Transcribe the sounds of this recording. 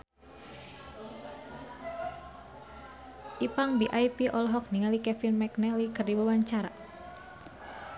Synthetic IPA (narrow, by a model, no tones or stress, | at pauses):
ʔipaŋbiʔajpiʔɔlɦɔk̚niŋalikɛfinmɛknɛlikɨrdibawaɲt͡ʃaɾa̰